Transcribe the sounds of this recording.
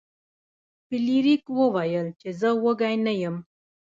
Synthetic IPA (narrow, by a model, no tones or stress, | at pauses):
piliɾikwəwajəlt͡ʃezəwəɡajnajəm